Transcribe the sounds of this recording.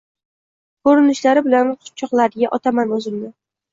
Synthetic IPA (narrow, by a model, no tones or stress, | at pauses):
kʰoɾɪnɪʃlaɾɪbɪlanqʰʊ̥t̪̚t͡ʃʰɒqlˠaɾɡʲaʔɒt̪ʰamanjɒzɪld̪ɪ